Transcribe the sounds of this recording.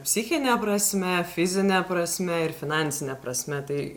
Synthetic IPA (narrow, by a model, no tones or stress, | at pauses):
pʲsʲɪxʲɪnʲɛpɾɐsʲmʲɛfʲɪzʲɪnʲɛpɾɐsʲmʲɛɪɾfʲɪnɑˑnʲsʲɪnʲɛpɾɐsʲmʲɛt̪ɐɪ